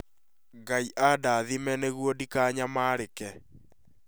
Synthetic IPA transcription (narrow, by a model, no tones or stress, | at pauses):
ŋɡaiʔadaðimɛneɣwɔdikaɲamaːɾekɛ